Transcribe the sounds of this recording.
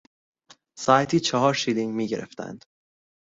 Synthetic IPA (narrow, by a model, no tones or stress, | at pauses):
sɒːæt̪ʰiːt͡ʃʰɒɦɒːɾʃiːliŋɟmiːɟe̞ɾʔḛft̪æ̰nd̪̥